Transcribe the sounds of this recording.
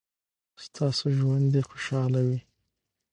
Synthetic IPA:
st̪ʰɑsoʒwand̪exoʃɑlawi

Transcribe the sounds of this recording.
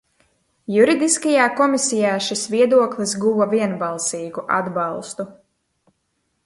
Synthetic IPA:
juɾid̪iskajaːkɔmisijaːʃisviɛd̪uɔklˠis̬ɡuvɐviɛnbalˠsiːɡuʔa̰d̪bɑlˠst̪u

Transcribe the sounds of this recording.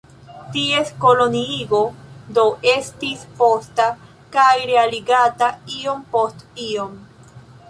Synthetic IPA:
tie̞sko̞lo̞niiɡo̞do̞ʔe̞stispo̞sta | kajɾe̞aliɡataio̞mpo̞stio̞m

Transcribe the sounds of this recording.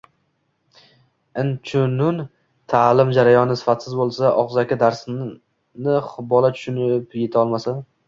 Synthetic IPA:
ɪnt͡ʃʰʊnʊn | t̪ʰalɪmd͡ʒaɾajɒnɪsɪ̥fat̪sɪzbolˠsaʔɒqzakʲad̪aɾs | nɪχbɒlˠat͡ʃʰʊ̥ʃʊnɪpje̞t̪ʰɒlˠmasa

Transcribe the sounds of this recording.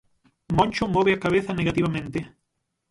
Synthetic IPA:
mɔ̃nʲt͡ʃʊmɔβɪakaβeθɐneɣat̪iβɐmẽnt̪ɪ

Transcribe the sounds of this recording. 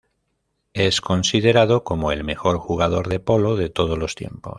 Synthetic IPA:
e̞sko̞nsið̞e̞ɾað̞oko̞moelme̞xo̞ɾxuɣ̞að̞o̞ɾðe̞po̞loð̞e̞t̪oð̞ozlo̞st̪je̞̰mpo̰s

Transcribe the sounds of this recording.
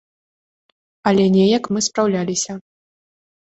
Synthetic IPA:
ɐlʲɛnʲɛjɐkmɨspɾawlʲalʲisʲɐ

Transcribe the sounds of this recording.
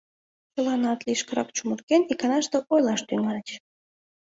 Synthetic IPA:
t͡ɕəlɑnɑt̪liʃkəɾɑkt͡ɕumurkenikɑnɑʃt̪eʔojlɑʃt̪yŋɑlʲət͡ɕ

